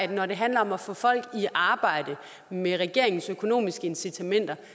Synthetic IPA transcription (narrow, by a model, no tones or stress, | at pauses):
d̥nɒd̥e̝ɦænlɐɒ̽mæfɔ̽ːfɒ̽l̰ɡ̥iʔɑ̈ːb̥ɑ̈ɪ̰d̥ə | meʁɛɡ̥e̝ɐe̝ŋn̩søkʰo̝no̝̰ːmisɡ̥əe̝nsit͡sʰæmen̰d̥ɐ